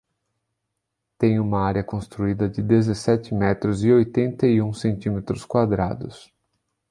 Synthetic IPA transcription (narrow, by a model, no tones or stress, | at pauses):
t̪ẽj̃ũmɐaɾjɐkõst̪ɾuid̪ɐd͡ʒɪd̪ezesɛt͡ʃɪmɛt̪ɾʊzɪojt̪ẽnt̪ɐiũsẽnt͡ʃ̪imet̪ɾʊskwad̪ɾa̰d̪ʊs